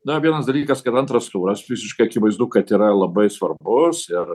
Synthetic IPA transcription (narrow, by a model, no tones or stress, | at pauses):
nɐʋʲiɛnɐsd̪ɐlʲiːkɐskɐt̪ɐnt̪ɾɐst̪uːɾɐsfʲɪsʲɪʃkɐɪɐkʲɪʋɐɪzd̪ʊkɐt̪iːɾɐlˠɐbɐɪsʋɐɾbbʊsɪɾ